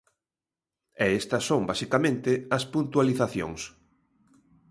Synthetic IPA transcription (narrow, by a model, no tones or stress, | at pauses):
ɛest̪ɐsːõŋbasikamẽnt̪ɪɐspunt̪ualiθaθjo̰ŋs